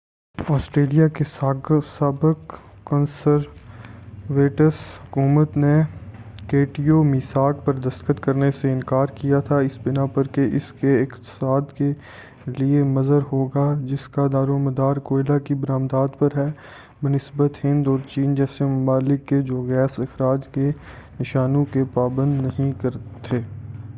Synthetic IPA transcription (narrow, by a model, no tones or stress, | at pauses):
ɔːsʈɾeːlijakesaɡsaːbəkː | ənsəɾ | ʋeːʈəshɦʊkuːmət̪ne | keːʈiomɪsaːkpɐɾd̪ɐst̪kət̪kɐɾneseɪ̃nkaːɾkijat̪ʰaɪsbɪnapɐɾkeʔɪskeɪqt̪ɪ̥saːd̪ke | liemɐzəɾɦoːɡad͡ʒɪskad̪aːɾoməd̪aːɾkoːɪlakibəɾãːmd̪aːd̪pɐɾɦɛː | bənɪsbət̪hɪ̃nd̪ɔːɾt͡ʃiːnd͡ʒɛːsemʊmaːlɪkːed͡ʒoːɡɛːsɪxɾaːd͡ʒkenɪʃaːnõkepaːbə̃nd̪nɐɦĩkɐɾt̪ʰeː